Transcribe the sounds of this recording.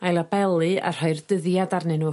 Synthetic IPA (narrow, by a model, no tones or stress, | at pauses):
ajlˠabɛlˠɨa̰r̥ɔɨrdəðjadarnɛnu